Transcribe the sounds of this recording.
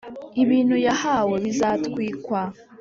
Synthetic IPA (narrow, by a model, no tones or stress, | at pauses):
iβiːn̥hujahawe̞βizaːtwiːkwa